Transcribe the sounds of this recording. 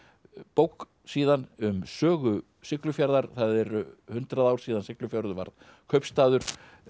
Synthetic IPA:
powk | siːðanʏmsœːɣʏ | sɪklʏfjaɾðaɾ̥θaðɛɾhʏnt̪ɾaðaːwɾ̥siːðansɪklʏfjaɾðʏva̰ɾð | kʰœɥpst̪aːðʏɾ̥

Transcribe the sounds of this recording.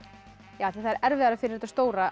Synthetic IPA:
jaːaθiθaðɛɾʔɛɾvɪðaɾafɪɾɪɾɛt̪ːast̪oːwɾa

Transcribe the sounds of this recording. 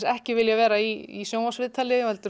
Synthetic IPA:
sɛhcɪvɪljavɛːɾaiḭsjoːwmasvɪːðt̪ʰalɪɪhɛlt̪ʏ

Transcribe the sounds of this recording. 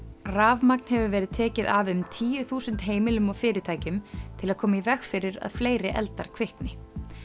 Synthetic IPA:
raːvmak̚n̥hɛvʏvɛːɾɪðt̪ʰɛːcɪðavʏmt̪ʰiːjʏθuːsʏnt̪ɦeːjmɪlʏmɔɣfɪːɾɪt̪ʰaːjcʏmt̪ʰɪlaðkʰɔːmaivɛxfɪɾɪɾa̰ðfleːjɾɪʔɛ̰lt̪aɾ̥kʰv̥ɪhknɪ

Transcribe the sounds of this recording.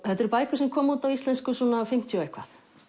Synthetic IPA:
θɛt̪ɛɾpaːjkʏsɛmkʰɔːmuːt̪avist̪lɛnskʏsuːnafɪm̥t̪ʰjɔejhkvaθ

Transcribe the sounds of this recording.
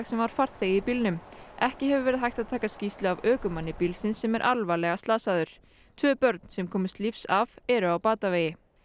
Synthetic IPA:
ɣsɛmvaɾ̥faɾ̥θθejipilnʏmʔɛhcɪhɛvʏvɛːɾɪðɦajht̪aðt̪ʰaːkascist̪lʏavœːkʏmanːɪpilsɪnsːɛmɛɾʔa̰lvalɛɣast̪aːsaðʏɾ̥ | t̪ʰvœːpœɾt̪n̥sɛmkʰɔːmʏst̪lifsavɛɾʏawpaːt̪aveːjɪ

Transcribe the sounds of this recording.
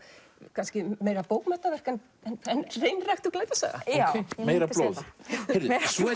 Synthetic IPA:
kʰanscɪmeːjɾapoːwkmɛt̪navɛr̥kɛn | ɛnɛnreːjnrajxt̪uklaːjt̪asa̰ɣa̰ameːjɾalowðɾðs

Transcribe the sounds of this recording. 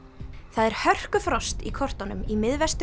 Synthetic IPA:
θaðɛɾ̥hœr̥kʏfɾɔst̪ikʰɔr̥t̪ɔnʏmimɪðvɛst̪ʏ

